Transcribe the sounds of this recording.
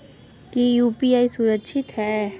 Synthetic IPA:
kijuːpiaːisʊɾəkʃʰɪt̪ɦɛ

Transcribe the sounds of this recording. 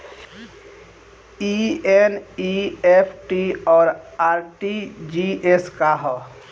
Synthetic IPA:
ieniepʰʈiɔːɾaːɾʈid͡ʒieskaɦɔ

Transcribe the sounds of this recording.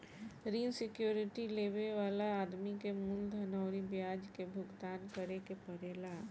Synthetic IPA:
ɾiːnsɪkjuːɾɪʈileːʋeʋaːlaːd̪mikemʊld̪ʱənɔʊɾibjaːd͡ʒkebʱʊɡt̪aːnkəɾekepəɾeːla

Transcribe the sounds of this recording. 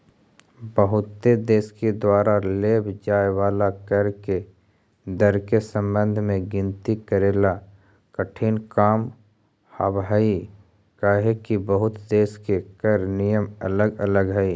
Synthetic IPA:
bəɦʊt̪ːed̪eːsked̪waːɾaleːbʱd͡ʒaːewaːlakəɾke | d̪əɾkesə̃mbə̃nd̪ʱmẽɡɪ̃nt̪ikəɾeːla | kəʈʰiːnkaːm | habɦəi | kaːɦekibəɦʊt̪d̪eːskekəɾnijəmə̰ləɡələɡɦɛi

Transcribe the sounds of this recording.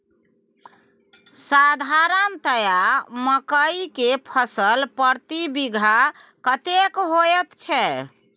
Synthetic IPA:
sad̪ʱaɾənt̪əjaməkəikepʰəsəlpəɾt̪ibiɡʱa | kət̪ekɦojɛt̪t͡ʃʰɛ

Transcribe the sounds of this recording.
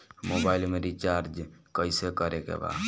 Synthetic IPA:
mobailmeɾit͡ʃaɾd͡ʒkəjsekəɾekḛba̰

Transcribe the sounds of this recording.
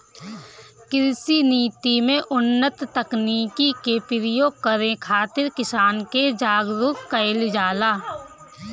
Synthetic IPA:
kɪɾsiniːt̪imẽʔʊnːət̪ːəkniːkikeːpɪɾɪjõkəɾẽkʰaːt̪ɪɾkɪsaːnked͡ʒaːɡɾʊkkəɪld͡ʒaːlaː

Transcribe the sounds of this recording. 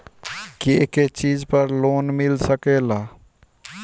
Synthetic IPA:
keket͡ʃid͡ʒpəɾlonmilsəkela

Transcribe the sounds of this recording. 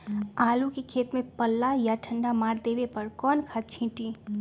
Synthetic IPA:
aːlukekʰeːt̪mẽpəlːajaʈʰə̃ɳɖamaːɾd̪eːʋepəɾkɔːnkʰaːt̪̚t͡ʃʰĩːʈi

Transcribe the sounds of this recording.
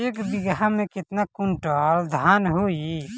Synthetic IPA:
eːkbɪɡɦamẽkɪt̪nakʊɳʈɔːld̪ʱaːnɦoi

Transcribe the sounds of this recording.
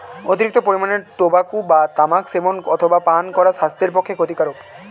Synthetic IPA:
ot̪iɾik̚t̪opoɾimaneɾʈobakubat̪amakseboŋɔt̪ʰobapankɔɾaʃast̪eɾpokʰːekʰot̪ikaɾok

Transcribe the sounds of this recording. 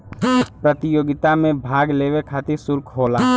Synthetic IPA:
pɾət̪ɪjoːɡɪt̪amẽbʱaːɡleːʋekʰaːt̪ɪɾsʊɾkʰɦoːlaː

